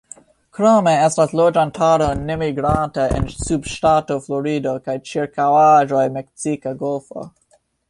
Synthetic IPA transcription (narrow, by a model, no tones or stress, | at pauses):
kɾameɛstaslod͡ʒantʰaɾonemiɡɾanteʔɛ̰nsubʃtatofloɾidokajt͡ʃiɹkawaʒojmɛksikaɡolfo̰